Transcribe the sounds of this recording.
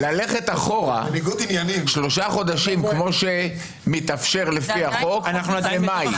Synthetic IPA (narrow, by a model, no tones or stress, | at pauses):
lale̞χe̞t̪aχo̞ʁa̰iɡut̪injaniʃlo̞ʃaχo̞d̪aʃimkmo̞ʃe | mit̪afʃe̞ʁlefiaχo̞knauemaj